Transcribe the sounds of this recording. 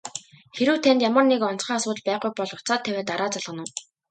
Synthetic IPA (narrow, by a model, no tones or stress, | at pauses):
xeɾɘ̆wt̪ʰænt̪jamə̆rnekɔn̥t͡sχiːasʊːt̪əɮpæːχujpɔɮʊt͡saːt̪ʰːæwæːt̪aɾaːt͡saɮʁə̆nʊ̆ː